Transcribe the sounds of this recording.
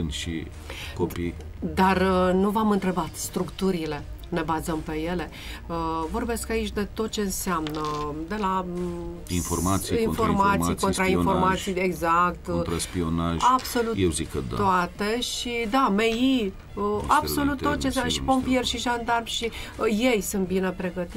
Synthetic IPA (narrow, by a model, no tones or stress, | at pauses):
ɨnʃḭ | kopij | d̪arnuvamɨnt̪ɾe̞bat̪st̪ɾukt̪uɾile̞ | ne̞bazəmpe̞je̞le̞ | əvo̞rbe̞skait͡ʃʲd̪e̞t̪o̞t̪̚t͡ʃe̞ɨnseamnəd̪e̞la | informat̪siinfo̞rmat̪ijko̞nɾainfo̞rmat̪sijeɡzak̚t̪t̪ɾaspionaʒab̥so̞lut̪jewzikəd̪a̰oat̪e̞ʃid̪ameji | abso̞lut̪ːot̪̚t͡ʃensanəʃi̥po̞mpierʲʃiʒand̪armʃije̞jsunt̪̚binepɾe̞ɡət̪i